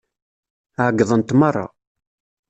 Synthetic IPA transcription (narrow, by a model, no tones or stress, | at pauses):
ʕɡðˤənt̪mɑrˤːɑ̰